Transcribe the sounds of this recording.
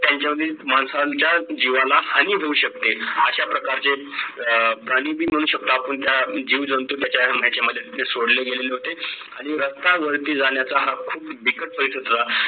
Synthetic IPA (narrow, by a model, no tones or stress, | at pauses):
t̪jaɲt͡ɕjaməd̪ʱːjemansat͡ɕjad͡ʑiʋalahaniːbʱeuːɕək̚t̪eəɕapɾəkaɾt͡se | pɾaɽ̃iːbʱiːm̤əɽ̃uːɕək̚t̪aːpəɳt̪jad͡ʑiːʋd͡zənt̪ut̪jat͡ɕjam̤at͡ɕeməd̪ʱːjeesoɽləɡeleleɦot̪e | aɽ̃iɾəst̪aʋəɾt̪iːd͡zaɳjat͡saɦakʰuːpbikəʈ̚pəisəd̪ɾa